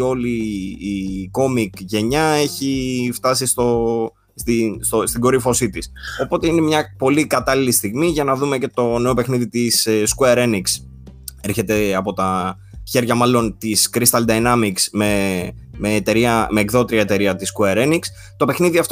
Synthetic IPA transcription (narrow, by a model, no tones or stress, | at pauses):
o̞liː | ko̞mikʝe̞ɲɐe̞çift̪ɐsist̪o̞ | st̪inst̪ost̪iɡo̞ɾifo̞sit̪iso̞po̞t̪e̞ine̞mɲɐpo̞likɐt̪ɐlilist̪iɣmiʝɐnɐðume̞ce̞t̪o̞ne̞o̞pe̞xniðit̪isskueɾe̞niks | eɾçe̞t̪e̞ɐpo̞t̪ɐ | çe̞ɾʝɐmɐlo̞nt̪iskɾist̪ɐld̪ɐjnɐmiksme̞meːt̪e̞ɾiɐme̞ːkðo̞t̪ɾiɐet̪e̞ɾiɐt̪iskueɾeniks | t̪o̞pe̞xniðiɐft̪